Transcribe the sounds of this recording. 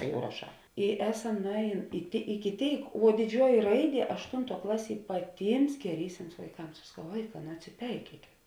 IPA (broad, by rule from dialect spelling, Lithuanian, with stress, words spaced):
ˈjɛʊ rɐˈʃɑː ɪ ˈæːˌsɐm nʊˈɛːˌjeːn ɪ ˈɪkʲɪ ˈtʲeːɪk ʋuɔ dʲɪˈd͡ʒʲuɔjɪ ˈrɐɪˌdʲiɛ ɐʃˈtʊntuɔ ˈklˠɑːˌsʲiɛ pɐˈtʲiːms ɡʲɛˈrʲiːsʲɪms ʋɐɪˈkɐms ɐʃ sɐˈkɐʊ ˈʋɐɪˌkɑː nʊ ɐtʲsʲɪˈpʲɛɪkʲiɛkʲeːt